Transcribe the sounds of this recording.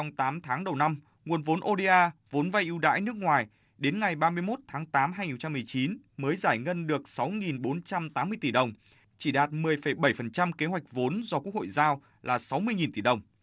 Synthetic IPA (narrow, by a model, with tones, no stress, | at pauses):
ɔ˧wŋ͡mt̪aː˨˦mt̪ʰaː˨˦ŋɗə˨˩wna˧m | ŋu˨˩ənvo˨˦nʔo˧ɗe˧ʔaː˧vo˨˦nva˧jʔi˧wɗa̰ː˧˥jnɨ˦˥ək̚ŋwaː˨˩j | ɗe˨˦nŋa˨˩jɓaː˧mɨ˧əjmo˦˥t̚t̪ʰaː˨˦ŋt̪aː˨˦mɦaː˧jŋi˨˩˨t͡ɕa˧mɨ˨˩əjt͡ɕi˨˦n | məː˨˦jzaː˧˩jŋə˧nɗɨ˨˩ək̚sa˨˦wŋi˨˩nɓo˨˦nt͡ɕa˧mt̪aː˨˦mːɨ˧əjt̪i˧˩ɗə˨˩wŋ͡m | t͡ɕi˧˩ɗaː˨˩t̚mɨ˨˩əjfə˧˩jɓə˧˩jfə˨˩nt͡ɕa˧mke˨˦ɦwa˨˩jk̟̚vo˨˦nzɔ˧ku˦˥ək̚ho̰˧˨jzaː˧w | lʔaː˨˩sa˨˦wmɨ˧əjŋi˨˩nt̪i˧˩ɗə˨˩wŋ͡m